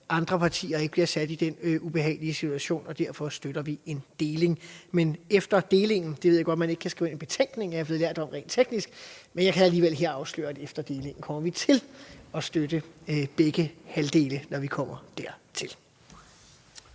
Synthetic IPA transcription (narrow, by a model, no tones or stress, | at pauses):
ʔɑ̈nd̥ʁɐpʰɑ̈t͡sʰḭːɐe̝ɡ̥̚b̥liɐsæd̥id̥enub̥e̝ɦɛ̰ɪliəsit͡sʰuæɕo̝̰ːnɒ̽d̥æɐ̰fɒ̽sd̥øɾ̥ɐʋie̝nd̥e̝ːle̝ŋmenefd̥ɐd̥e̝ːle̝ŋn̩d̥e̝ʋeðˠjaɡɒ̽d̥mæne̝ɡ̥kʰæsɡ̥ḭʊe̝nenb̥e̝t͡sʰeŋ̰ɡ̥ne̝ŋjɑhɑble̝ð̩ˠlæɐ̰d̥eɒ̽mʁɛ̰ːn̥t͡sʰeɡ̥nisɡ̥menjɑɪkʰææliːʋel̰ɦe̝ɐ̰ɑ̈ʊslø̰ːɐæd̥efd̥ɐd̥e̝ːle̝ŋn̩kʰɒ̽m̰ɐʋit͡sʰe̝lɒ̽sd̥ødəb̥eɡ̥əhæld̥e̝ːlənɒʋikʰɒ̽m̰ɐd̥æɐ̰t͡sʰe̝l